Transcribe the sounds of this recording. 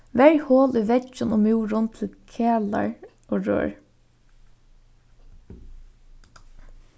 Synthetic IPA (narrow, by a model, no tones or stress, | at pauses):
ʋɛɹhoːliːʋɛd͡ʒənoːmuːɹʊnt̪ʰɪlkʰeːla̰ɹ | oːɹø̰ːɹ